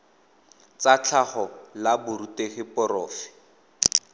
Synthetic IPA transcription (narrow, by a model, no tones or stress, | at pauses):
t͡sat͡ɬʰaχɔlabʊɾuteχɪpɔrɔːfɪ̥